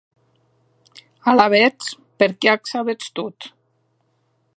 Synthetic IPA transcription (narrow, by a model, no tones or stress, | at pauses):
alaβet͡s | peɾkeaksaβet͡st̪ut̪